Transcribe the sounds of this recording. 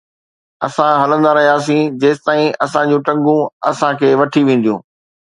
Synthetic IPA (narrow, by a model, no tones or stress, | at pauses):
ɐsãɦɐlə̃nd̪aɾɐɦijaːs̬ĩd͡ʑeːsɪt̪aːĩɐsãd͡ʑũːʈɐ̃ŋɡũɐsãkʰeːʋɐʈʰiʋẽːn̆d̪ijũː